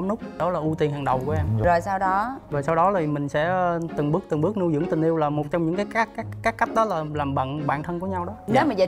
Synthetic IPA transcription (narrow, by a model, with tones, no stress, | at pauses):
nu˦˥k͡p̚ɗɔ˨˦laː˨˩ʔu˧t̪i˨˩ənɦaː˨˩ŋɗə˨˩wku˨˧˦əʔɛ˧m˨zo˨˩jsaː˧wɗɔ˨˦zo˨˩jsa˧wɗɔ˨˦lʰi˨˩mï˨˩ŋ̟sɛ̰˧˥˧t̪ɨ˨˩ŋɓɨ˦˥k̚t̪ɨ˨˩ŋɓɨ˦˥ək̚nu˧jzɨ̰˧˥ŋt̪ï˨˩ŋ̟ʔi˧əwlaː˨˩mo˨˩t̚t͡ɕɔ˧ŋ͡mɲɨ̰˧˥ŋkaː˨˦jka˦˥aː˦˥kkːaː˦˥k̚ːa˦˥k̟̚ɗɔ˨˦laː˨˩laː˨˩mɓə̰˧˨nɓa̰ː˧˨nt̪ʰə˧nku˧˩əɲa˧wɗɔ˨˦a˨˦ma˨˩zə˧˨